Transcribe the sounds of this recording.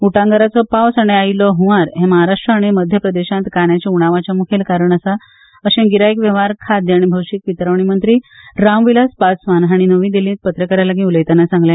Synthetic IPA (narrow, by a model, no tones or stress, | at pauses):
uʈãŋɡəɾat͡sɔpawsaɽ̃eailɔɦuʋaɾɦẽməɦaɾaʂʈɾəːɽ̃iməd̪ʱjəpɾəd̪eɕãnt̪kaɳ̃jat͡ɕauɽ̃aʋat͡ɕjamukʰelkaɾəɳ̃əsa | əɕẽɡiɾajkʋjəʋ̤aɾkʰad̪jaɽ̃ibʱəwɕik̚ʋit̪ɾaʋɳimənt̪ɾiːɾamʋilaspasʋanɦaɽ̃inəʋĩd̪elĩːt̪̚pət̪ɾəkəɾalaɡĩuləjt̪anasãŋɡla